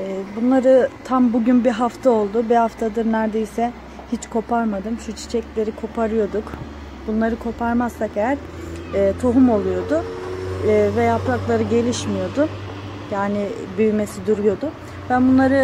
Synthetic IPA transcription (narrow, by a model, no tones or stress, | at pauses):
ɛːbunlˠaɾɯt̪ʰambuɟynbiɦaft̪ʰao̞lˠd̪ʊbihaft̪ʰad̪ɯɾnæɾd̪e̞jsɛ | hit͡ʃkʰo̞pʰaɾmad̪ɯmʃʰut͡ʃʰi̥t͡ʃʰɛclʲe̞ɾikʰo̞pʰaɾɯjo̞d̪uk | bunlˠaɾɯkʰo̞pʰaɾmasːakejæɾ̥ː | t̪ʰoɦumo̞lˠujo̞d̪ʊː | vɛjapɾaklˠaɾɯɟe̞lʲiʃmijo̞d̪ʊ | jaːnɪ | byjme̞sid̪uɾujo̞d̪ʊ | vɛbunlˠaɾɯ